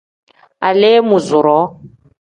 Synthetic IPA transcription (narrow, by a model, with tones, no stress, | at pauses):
a˨le˦mu˨zu˨ɾɔ˨˦